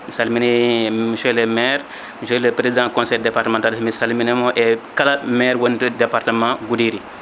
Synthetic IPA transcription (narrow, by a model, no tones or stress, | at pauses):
misalminemiʃelemɛːɾ | miʃɛlepɾezidãːkõnsejdepaɾtəmãntalsmisalminemoʔekalamɛːɾwondədepaɾtəmãɡudiɾi